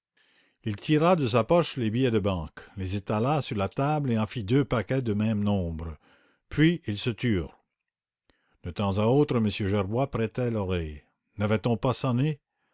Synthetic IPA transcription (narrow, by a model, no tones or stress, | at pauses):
ilt̪ʰiʁad̪əs̬apɔʃlebijɛd̪əbɑ̃klezet̪alasyʁlat̪ableɑ̃fid̪øpakɛd̪əmɛ̃mnɔ̃bʁə | pʰɥiːlsət̪yːʁ | d̪̥ət̪ɑ̃zaoːt̪ʁəməsjøʒɛʁbwapɾɛt̪ɛlɔʁɛj | navɛt̪ɔ̃pasane